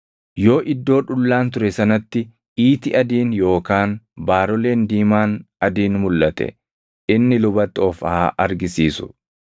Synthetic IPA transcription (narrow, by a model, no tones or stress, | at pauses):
jo̞ːʔɪd̪ːo̞ːᶑʊlːaːnt̪ʊɾɛsɐnɐt̪ːɪ | iːt̪ɪʔɐd̪iːnjo̞ːkaːnbaːɾɔle̞ːnd̪iːmaːnɐd̪iːnmʊlːɐt̪ɛ̰ | ɪnːɪlʊbɐt̪ːɔfɐhaːʔɐɾɡɪsiːsʊ̥̰